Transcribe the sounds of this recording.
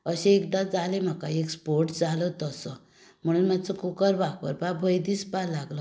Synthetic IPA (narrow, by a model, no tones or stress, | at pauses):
əɕeekd̪ad͡zalem̤akaekspoɾʈd͡zalət̪əsə | m̤əɽ̃uːnmat͡səkukəɾʋak̚pə̰ɾpabʱəjd̪ispalaɡlɔ